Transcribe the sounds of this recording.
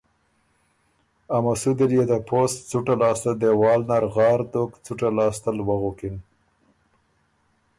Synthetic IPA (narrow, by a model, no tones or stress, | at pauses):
amasud̪ɪljed̪apʰost͡suʈalɑst̪ald̪ewɑːlnaɾɣɑːɾd̪okt͡suʈalɑːst̪əlwaɣokin